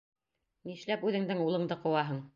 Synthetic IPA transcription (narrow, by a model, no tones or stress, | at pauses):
niʃlæpʉðɘ̆ŋd̪ɘŋulˠɤ̆ɴd̪ɤqŏwɑɦɤɴ